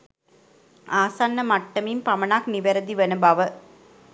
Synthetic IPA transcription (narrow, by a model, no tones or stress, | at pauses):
aːsanːɐmɐʈːɐmimpɐmɐnakniʋɐɾɐd̪iʋɐnɐbɐʋə